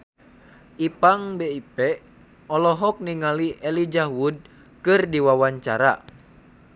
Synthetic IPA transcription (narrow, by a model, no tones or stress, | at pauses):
ʔipaŋbeipɛ | ɔlɔɦɔk̚niŋaliʔɛlid͡ʒaɦwud̚ | kɨrdiwawaɲt͡ʃaɾa̰